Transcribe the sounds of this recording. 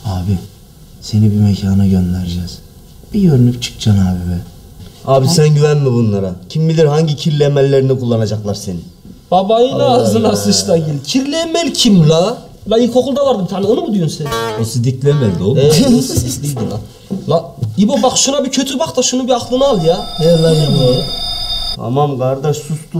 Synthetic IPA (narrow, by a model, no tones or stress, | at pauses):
aːbi | se̞nibimecʰaːnaɟønlæɾd͡ʒɛz̥ | b̥ijøɾynypt͡ʃʰɯ̥k̚t͡ʃʰanaːbibɛ | aːbisænɟyvænmibunlˠaɾacʰimbilʲiɾhaɲɟicʰiɾlʲemælʲːeɾinikʰulˠːanad͡ʒaklˠaɾse̞ni | b̥abajɯaːzɯnasɯʃt̪aɟilʲcʰiɾlʲemɛlʲcʰimla | laikʰokulˠd̪avaɾd̪ɯmt̪ʰanionubud̪ijonsenosizd̪iclʲemɛlʲd̪oɛid̪ijd̪ina̰ | laibobakʃunabicʰøt̪ʰyɾbakt̪ʰaʃunubiakʰlˠɯnɯalˠjaɛlajibo | tʰa̰mamɡaɾd̪aʃsust̪u